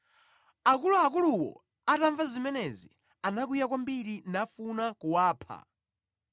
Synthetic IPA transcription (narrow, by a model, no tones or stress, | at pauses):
akuluakuluwɔ̰ | ataɱvazimɛnɛzḭ | anak̬ujakwambiɾinafunakuwaːpʰa̰